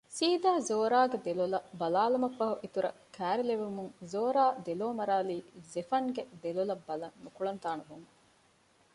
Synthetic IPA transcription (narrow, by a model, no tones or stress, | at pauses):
siːd̪aːzoːɾaːɡed̪elulɐbɐlaːlɐmɐkʋɐɦuʔit̪uɾɐ̰kʰæːɾileʋumuŋzoːɾaːd̪eloːmɐɾaːliːzefɐŋɡed̪elulɐbːɐlɐnnukuɭɐnt̪aːnuɦuŋ